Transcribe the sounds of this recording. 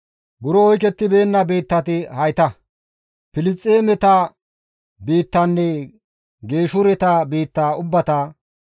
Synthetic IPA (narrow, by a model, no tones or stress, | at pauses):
bʊɾɔɔjk̬ɛt̪ːɪbeːnːɐbeːt̪ːɐt̪ɪhɐjt̪ɐ | pɪlɪt͡sʼːeːmɛt̪ɐ | biːt̪ːɐnːɛ | ɡe̞ːʃʊɾɛt̪ɐbiːt̪ːaʊbːɐt̪ɐ